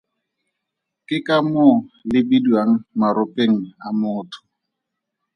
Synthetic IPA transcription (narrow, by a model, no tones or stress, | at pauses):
kʼɪkʼamʊlɪbidwaŋ̩maɾʊpʼeŋ̩amʊːtʰʊ̥